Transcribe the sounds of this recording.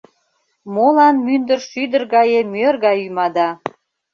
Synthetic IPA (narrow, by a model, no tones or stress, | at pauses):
molɑnmynd̪ərʃyd̪ərɣɑjemørɣɑjymɑd̪ɑ